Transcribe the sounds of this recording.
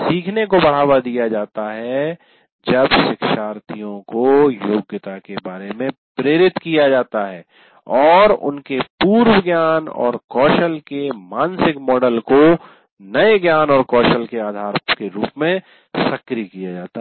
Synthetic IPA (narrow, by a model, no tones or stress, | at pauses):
siːkʰnekobɐɽ̤aːwad̪ijad͡ʒaːt̪aɦɛ | d͡ʒɐbʃɪkʃaːɾt̪ijõkojoːɡjət̪akebaːɾemẽpɾeːɾɪt̪kijad͡ʒaːt̪aɦɛː | ɔːɾʊ̰nkepuːɾwəɡjaːnɔ̰ːɾkɔːʃəlkemãːnsɪkmɔːɖəlko | nɐeɡjaːnɔːɾkɔːʃəlkeaːd̪ʱaːɾkeɾuːpmẽ | sɐkɾikijad͡ʒaːt̪a